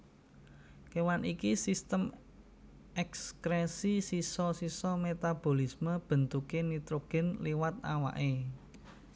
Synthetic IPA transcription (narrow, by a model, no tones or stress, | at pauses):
kewanikisist̪əm | ɛkskɾɛsisisɔsisɔmet̪ab̥o̤lisməb̥ə̤nt̪ukenit̪ɾoɡ̥ɛ̤nliwat̪̚a̰wa̰ʔe